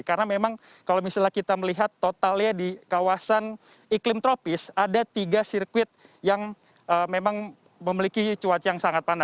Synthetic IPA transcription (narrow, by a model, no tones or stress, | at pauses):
kaɾənamemaŋ | kalomisalahkit̪aməliɦat̪ːot̪alɲadikawasan | iklɪmt̪ɾopɪsadat̪iɡasirkwɪt̪̚jaŋ | əmemaŋ | məmilikit͡ʃuwat͡ʃijaŋsaŋat̪̚pana